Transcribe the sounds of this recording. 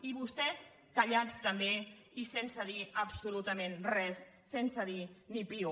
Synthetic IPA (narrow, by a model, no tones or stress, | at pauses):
iβ̞ust̪ɛs | kəʎat͡st̪əmbe | isensəðiəpsulut̪əmenrɛsː | ensəðinipiu